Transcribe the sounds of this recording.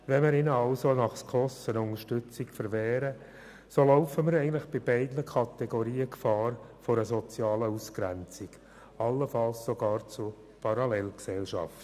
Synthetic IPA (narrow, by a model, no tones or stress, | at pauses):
ʋɛnmɪɾɪnəɑʊsonɑχskʰɔsənʊnəʃtʏt͡sɪkfəɾʋɛːɾə | soloʊfəməɾɛɪɡən̩tlɪχb̥ɪb̥ɛɪdnəkʰɑt̪ɛɡoɾiːəkfɑːɾfɔɾəsɔt͡sjɑːləuskɾænt͡siɡ̥ | ɑlːəfɑlssoɡɑːɾt͡sʊ | pʰɑɾɑlɛlksɛlʃɑ̰ft